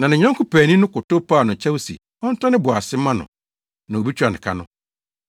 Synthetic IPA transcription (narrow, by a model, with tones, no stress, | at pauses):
nã˨nɪ̃˨ɲᶣã˦ŋ˦kʊ˦pæː˨nĩ˦nʊ̃˦kʊ˨to˦pʰaː˦˨nʊ̃˨t͡ɕʰɛ˦wo˦sḭ˨ | ɔ̃˦n̩˦tʰã˦nɪ̃˦bʊ˨a˨sɪ˦mːã˦nʊ̰̃˨ | nã˨o˨bi˦t͡ɕʰᶣa˨nɪ̰̃˨kʰa̰˦nʊ̃˦